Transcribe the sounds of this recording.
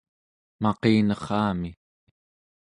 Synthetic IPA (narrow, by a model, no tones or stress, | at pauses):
mɑqeːnʌχɑːmi